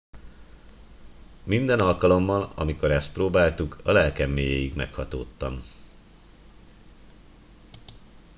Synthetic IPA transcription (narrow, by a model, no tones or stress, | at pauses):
mind̪ɛnɒlkɒlo̞mːɒlɒ̰miko̞ɾɛst̪̚proːbaːlt̪ukɒlɛlkɛmːeːjeːjiɡmɛkhɒt̪o̰ːt̪ːɒm